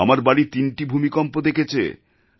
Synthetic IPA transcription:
amaɾbaɽit̪inʈibʱumikɔmpod̪ekʰet͡ɕʰḛ

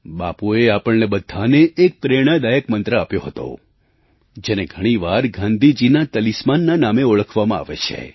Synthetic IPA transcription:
ɓapueapəɭnebəd̪ʱːaneːk̚pɾeɽ̃ad̪ajəkmə̃nt̪ɾəapjoɦət̪o̰ | d͡ʒeneɡʱəɽ̃iʋaɾɡʱãnd̪ʱid͡ʒinat̪əlismanːanameoɭəkʰʋamãa̰ʋḛt͡ʃʰḛ

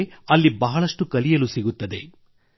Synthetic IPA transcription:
ɐlːibɐɦɐɭɐʂʈukɐlijɐlusiɡut̪ːɐd̪e̞

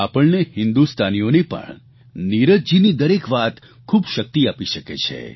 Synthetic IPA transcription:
apəɭnehɪ̃nd̪ust̪ʰanijonepə̰ɳ | niɾəd͡ʒd͡ʒinid̪əɾekʋat̪ | kʰubʃək̚t̪iapiʃəkḛt͡ʃʰḛ

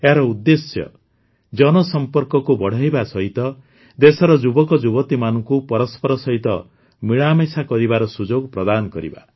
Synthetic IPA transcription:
eɦaɾɔud̪ːesjɔ̰ | d͡ʒɔnɔsɔmpɔɾkɔkubɔɽ̤ajbasɔɦit̪ɔ | d̪esɔɾɔd͡ʒubɔkɔd͡ʒubɔt̪imanɔŋkupɔɾɔspʰɔɾɔsɔɦit̪ɔ | miɭamesakɔɾibaɾɔsud͡ʒoɡpɾɔd̪anɔkɔɾḭba̰

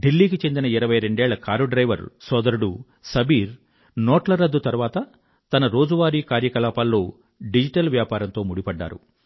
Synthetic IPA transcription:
ɖilːiːkit͡ʃe̞nd̪inɐiɾɐʋɐjɾeɳɖɛːɭːɐkaːɾuɖɾɐjʋɐɾsɔːd̪ɐɾuɽu | sɐbʱiːɾ | nɔːʈlɐɾɐd̪ːut̪ɐɾuʋaːt̪ɐ | t̪ɐnɐɾo̞ːd͡ʒuʋaːɾiːkaːɾjɐkɐlaːpaːlːo̞ː | ɖid͡ʒiʈɐlʋjaːpaːɾɐnt̪o̞ːmuɽipɐɖːa̰ːɾṵ

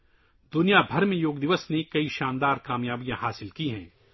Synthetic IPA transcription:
d̪ʊnijabʱɐɾmẽjoːɡd̪ɪʋəsnekɐiʃaːnd̪aːɾkaːmjaːbijãɦaːsɪlkiɦɛ̰̃ː

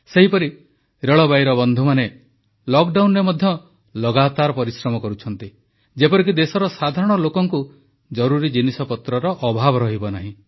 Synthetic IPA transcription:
seɦipɔɾi | ɾeɭɔbajɾɔbɔnd̪ʱumane | lɔkɖawnɾemɔd̪ʱjɔ | lɔɡat̪aɾɔpɔɾisɾɔmɔkɔɾut͡ʃʰɔnt̪i | d͡ʒepɔɾik̬id̪esɔɾɔsad̪ʱaɾɔɽ̃ɔlokɔŋku | d͡ʒɔɾuɾid͡ʒinisɔpɔt̪ɾɔɾɔʔɔbʱabɔɾɔɦibɔnaɦĩ

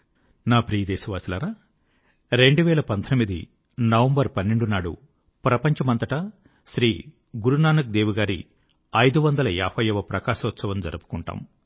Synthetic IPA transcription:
naːpɾiːɐd̪ɛːʃɐʋaːsilɐɾaː | ɾe̞ɳɖuʋɛːɭɐpɐnt̪ʰɐnmid̪ḭ | nɐʋɐmbɐɾpɐnːeɳɖunaːɽṵ | pɾɐpɐɲt͡ʃɐmɐnt̪ɐʈɐ | ʃɾiː | ɡuɾunaːnɐk̚d̪eːʋuɡaːɾḭ | ɐjd̪uʋɐnd̪ɐlɐa̰ːpʰɐjɐʋɐpɾɐkaːʃɐʋɐt̪sɐʋɐmd͡ʒɐ̰ɾɐpu̥kuɳʈa̰ːm

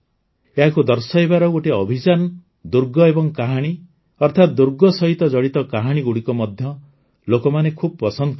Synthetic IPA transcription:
eɦakud̪ɔɾsɔjbaɾɔɡoʈiɔbʱid͡ʒan | d̪uɾɡɔebɔŋkaɦaɽ̃i | ɔɾt̪ʰat̪̚d̪uɾɡɔsɔɦit̪ɔd͡ʒɔɽit̪ɔkaɦaɽ̃iɡuɽikɔmɔd̪ʱjɔ | lokɔmanekʰubɔpɔsɔnd̪ɔ

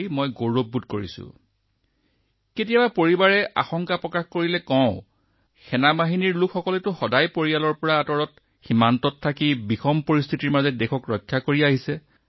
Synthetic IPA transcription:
mojɡoɹobːutkoɹḭsʊ̰ | ketijabapoɹibaɹɛʔa̰xɔŋkapɹɔkaxkoɹilɛkɔʊ̃ | xʰɛnabaɦiniɹlukʰxɔkɔlɛtʊxɔdajpoɹijalɔɹpɔɹaːtɔɹɔt̚ | ximantɔtʰːakibixʰɔmpoɹist̪ʰitiɹmazɛdekʰɔkɹɔjkʰːakoɹiaɦisɛ

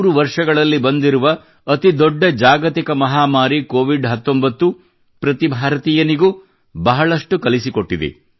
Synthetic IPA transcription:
ɾuʋɐɾʂɐɡɐɭɐlːibɐnd̪iɾuʋɐː | t̪id̪ɔɖːɐd͡ʒaːɡɐt̪ikɐmɐɦaːmaːɾikoːʋiɖɦɐt̪ːo̞mbɐt̪ːu | pɾɐt̪ibʱaːɾɐt̪iːjɐniɡuː | bɐɦɐɭɐʂʈukɐlisiko̞ʈːid̪ḛ

